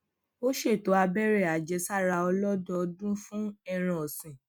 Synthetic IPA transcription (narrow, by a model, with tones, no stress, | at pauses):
o˦ʃe˦˨to˨˦a˧bɛ˦ɾe˦˨a˨d͡ʒɛ˧˦sa˦˨ɾa˧ɔ˧lɔ˦dɔ˦˧dũ˦fũ˦ɛ˧ɾ̃ã˧ɔ˨sĩ˨